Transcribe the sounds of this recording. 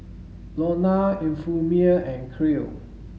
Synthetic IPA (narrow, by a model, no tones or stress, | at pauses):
lɔnaĩnfumiəɛ̃nkʰɹil